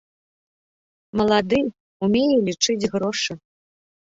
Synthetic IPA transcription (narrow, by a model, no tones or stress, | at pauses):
mɐlˠad̪ɨ | umʲejɛlʲit͡ʂɨd͡zʲɣɾɔʂɨ